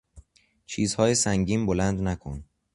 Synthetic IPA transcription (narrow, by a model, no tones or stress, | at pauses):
t͡ʃʰiːzhɒːjesæŋɟiːmbolænd̪nækʰon